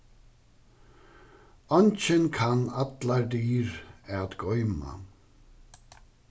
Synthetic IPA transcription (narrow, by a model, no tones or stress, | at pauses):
ɔnt͡ʃɪnkʰanat̪laɹd̪iːɾɛad̪ɡɔʏma̰